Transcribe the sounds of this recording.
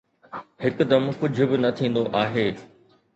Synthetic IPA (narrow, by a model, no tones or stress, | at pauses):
hɪkʊ̆d̪ɐmkʊd͡ʑʱʊ̆bɪnɐt̪ʰĩːn̆d̪oʔaːɦeː